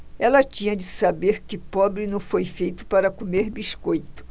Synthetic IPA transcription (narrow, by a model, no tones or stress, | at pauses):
ɛlɐt͡ʃĩɲɐd͡ʒɪsabeɾkɪpɔbɾɪnɐ̃w̃fojfejt̪ʊ̥paɾɐkomeɾbiʃkojt̪ʊ̥